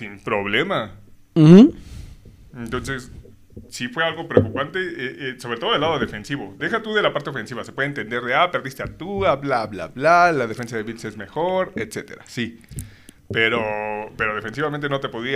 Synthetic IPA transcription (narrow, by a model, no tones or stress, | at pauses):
simpɾo̞βle̞ma | m̩m̩ | ent̪o̞nse̞s | sifwe̞alɣo̞pɾeokupant̪e̞eʔeso̞βɾet̪oo̞ðelaðo̞ðe̞fe̞nsiβod̪e̞xat̪uðe̞lapaɾt̪eofe̞nsiβasepweðent̪e̞nd̪e̞ɾðeape̞ɾðist̪eat̪uaβlaβla̰βlalaðefe̞nsaðe̞βilse̞zme̞xo̞ɾet̪se̞t̪e̞̰ɾa̰si | pe̞ɾope̞ɾo̞ð̞e̞fe̞ns̬iβament̪e̞no̞t̪e̞po̞ðɾia